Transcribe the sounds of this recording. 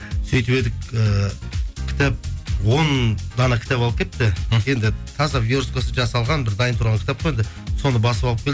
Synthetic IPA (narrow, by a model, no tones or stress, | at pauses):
sɵjt̪uwe̞d̪ɪkə | kʲʰɪ̥t̪æp̚wo̞nd̪ɑnɑkʲʰt̪ɑpɑlˠəpkʲʰe̞t̪ːɪje̞nd̪ɪt̪ʰɑzɑviɾuskosəʒɑsɑlˠʁɑnbɪɾd̪ɑjənt̪ʰʊɾʁɑŋkʲɪ̥t̪ɑp̚qojend̪ɪ | so̞nəbɑsəpɑlˠəp̚kʰʲel